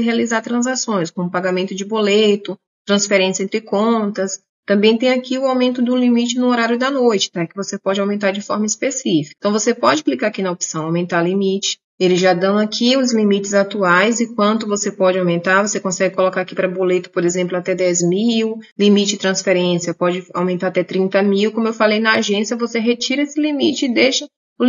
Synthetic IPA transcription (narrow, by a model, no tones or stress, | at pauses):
ɪɦealizaɾt̪ɾɐ̃zasõj̃skõmʊpaɡamẽnt̪ʊd͡ʒɪbolejt̪ʊ | t̪ɾɐ̃sfeɾẽsiẽnt̪ɾɪkõt̪ɐs | t̪ɐ̃mbẽj̃t̪ẽj̃akiʊawmẽnt̪ʊd̪ʊlimit͡ʃɪnʊoɾaɾjʊd̪ɐnojt͡ʃɪ̥pɾakɪvosepɔd͡ʒɪawmẽnt̪aɾd͡ʒɪfɔɾmɐispesifi̥kt̪ɐ̃w̃vosepɔd͡ʒɪklikaɾakinɐopsɐ̃w̃awmẽnt̪aɾlimit͡ʃɪ̥ | elɪzʒad̪ɐ̃w̃akʰiʊzlimit͡ʃɪzat̪uajzɪkwɐ̃nt̪ʊvosepɔd͡ʒɪawmẽnt̪aɾvosekõsɛɡɪkolokaɾakipɾɐbolet̪ʊ̥poɾezẽmplʊat̪ɛd̪ɛzmiwlimit͡ʃɪɪt̪ɾɐ̃sfeɾẽsiɐpɔd͡ʒɪa̰wmẽnt̪aɾat̪ɛt̪ɾĩnt̪ɐmiwkõmʊewfalejnɐaʒẽsiɐvoseɦet͡ʃiɾɐesɪlimit͡ʃɪːd̪eʃɐ | ʊ